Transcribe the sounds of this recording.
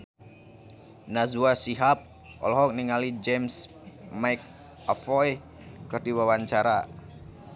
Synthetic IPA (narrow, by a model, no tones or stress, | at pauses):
nazuasiɦap̚ | ɔ̰lɔɦɔk̚niŋalid͡ʒɛms | majk | afɔj | kɨrdiwawaɲt͡ʃaɾa